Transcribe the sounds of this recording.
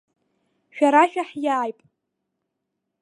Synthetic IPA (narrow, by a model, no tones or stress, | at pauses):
ʃᶣaɾaʃᶣaħjaːjpʼ